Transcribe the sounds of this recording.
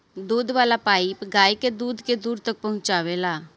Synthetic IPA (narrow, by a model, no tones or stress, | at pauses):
d̪uːd̪ʋaːlapaːipɡaːiked̪uːd̪ked̪uːɾt̪ək̚pɐɦʊ̃nt͡ʃaːʋelaː